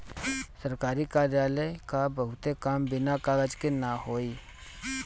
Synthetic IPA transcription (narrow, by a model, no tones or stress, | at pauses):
səɾkaːɾikaːɾjaːləkabəɦʊt̪ekaːmbɪnakaːɡəd͡ʒkenaɦoːiː